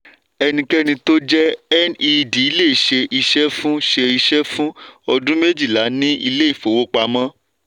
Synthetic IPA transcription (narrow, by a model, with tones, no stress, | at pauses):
ɛ˧nĩ˧kɛ˦nĩ˧to˦d͡ʒɛ˦ɛ˦ni˧di˨i˧˦le˦˨ʃe˧ʔi˧ʃɛ˦fũ˦ʃe˧i˧ʃɛ˦fũ˦ɔ˧dũ˦me˦d͡ʒi˦˨la˨˦nĩ˦ḭ˧le˦i˦˨fo˨wo˦k͡pa˧mã˦